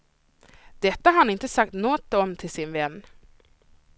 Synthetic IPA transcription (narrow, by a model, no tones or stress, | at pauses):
d̪̥ɛt̪ːaaɾhanɪnt̪əsak̚t̪nɔt̪ːɔmt̪ʰɪlsɪnvɛnː